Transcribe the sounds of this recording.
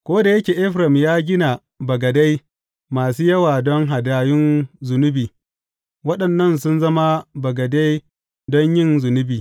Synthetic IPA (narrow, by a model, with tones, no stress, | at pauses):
kʷoː˦da˨jɐ˦kʲeː˨ʔɪ˦ɸɾɐ˨mjaː˦ɡʲɪ˦na˨ | bɐ˨ɡɐ˨da˦j | maː˨suː˦jɐ˦waː˨dɔ˦ŋɦa˨daː˦jɪ˦nzʊ˨nʊ˦biː˨ | wɐ˦ɗɐ˨nːɐ˦˨ns̬ʊ˦nzɐ˦ma˦bɐ˨ɡɐ˨da˦j | dɔ˦ɲjɪ˦˨nzʊ˨nʊ˦biː˨